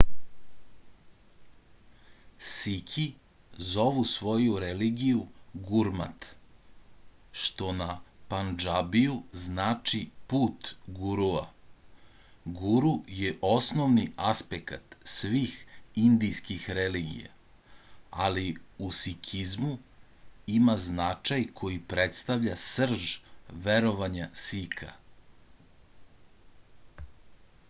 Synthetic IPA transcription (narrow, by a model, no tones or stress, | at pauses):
sikʰi | zo̞ʋusʋo̞juɾeliɡijuɡuɾma̰t̪ | ʃt̪o̞napand͡ʒabijuznaːt͡ʃipuːt̪ɡuɾua̰ | ɡuɾujeʔo̞snoʋniʔaspekat̪sʋiːxind̪ijskixɾeliːɡḭja̰ | aliusikʰizmu | imaznat͡ʃajkʰo̞jipɾet̪st̪aʋʎasr̩ʒʋeɾo̞ʋaɲasikʰa̰